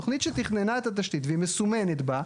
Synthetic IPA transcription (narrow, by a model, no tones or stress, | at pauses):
oχnit̪ʃet̪iχnenaet̪at̪̬aʃt̪it̪veimesumenet̪ba